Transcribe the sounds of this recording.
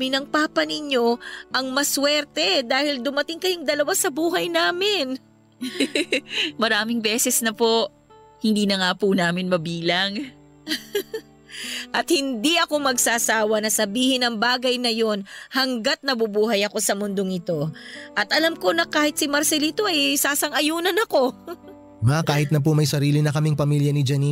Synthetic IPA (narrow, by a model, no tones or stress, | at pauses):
mɪnɐŋpaːpɐnɪɲo̞ʔɐŋmɐswɛɾt̪ɛd̪aːhɪld̪ʊmɐt̪ɪŋkɐjoŋd̪ɐlɐwasɐbuːɦɐjnaːmɪn | mɐɾaːmɪŋbɛːsɛsnɐpo̞ʔ | hɪnd̪iːnɐŋapunaːmɪnmɐbiːlɐŋ | ʔɐt̪̚hɪnd̪iʔɐko̞mɐɡsaːsaːwɐnɐsɐbiːhɪnɐŋbaːɡɐjnɐjo̞nhɐŋɡat̪̚nɐbubuːɦɐjɐko̞sɐmʊnd̪oŋɪt̪o̞ʔɐt̪ʔɐlɐmko̞nɐkaːhɪt̪̚sɪmɐɾsɛliːt̪o̞ʔɐjsaːsɐŋɐjuːnɐnɐko̞ | mɐakaːhɪt̪̚nɐp̬omɐjsɐɾiːlɪnɐkɐmɪŋpɐmiljɐnɪd͡ʒɐni